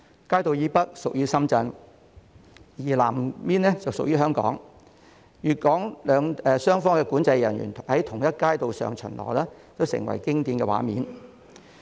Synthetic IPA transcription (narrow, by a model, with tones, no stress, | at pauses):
kaː˥jt̪o˨wjiː˨˧˥pɐ˥t̚sʊ˨k̚jyː˥sɐ˥mt͡sɐ˧n | jiː˨˩laː˨˩mmiː˥nɛ˥t͡sɐ˨wsʊ˨k̚jyː˥hœː˥ŋkɔ̰ː˨˥ŋ | jyː˨kɔː˨˥ŋlœː˨˧ŋɛː˨sœː˥ŋfɔː˥ŋkɛː˧kuː˨˥nt͡sɐ˧jjɐ˨˩njy̰˨˩nhɐ˨˥jt̪ʰʊ˨˩ŋjɐ˥t̚kaː˥jt̪o˨˧wsœ̰ː˨ŋt͡ʃʰɵ̰˨˩nlɔ̰ː˨˩lɛː˥t͡s̪o˨˧wsɪ̰˨˩ŋwɐ̰˨˩jkɪ˥ŋt̪iː˧nkɛː˧wa̰ː˨˧˥mḭː˨˧n